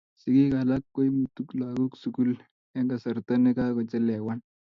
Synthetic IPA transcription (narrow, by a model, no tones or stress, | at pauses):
siɡiɡalakːoimut̪uklaɡuksukul | ẽŋkasəɾt̪ənekaɡət͡səlɛʋaɳ